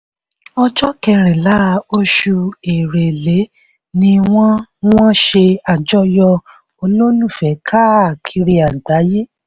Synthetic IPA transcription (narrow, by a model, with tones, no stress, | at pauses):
ɔ˧d͡ʒɔ˦kɛ˧ɾɛ˨la˨˦˨o˧ʃu˧e˨ɾe˨le˨˦ | nĩ˧w̃ɔ̃˦w̃ɔ̃˦ʃe˧a˨d͡ʒɔ˦jɔ˧ | o˧lo˦nũ˦˨fɛ˨˦kʰa˦a˨kʰi˧ɾi˧a˨da˨˦je˦